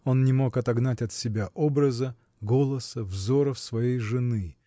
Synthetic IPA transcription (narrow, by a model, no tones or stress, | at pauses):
o̞nnʲɪmo̞kɐt̪ɐɡnatʲɐt̪sʲɪbʲaʔobɾəzə | ɡo̞lˠəsəvzo̞ɾəfsvɐjejʐɨnɨ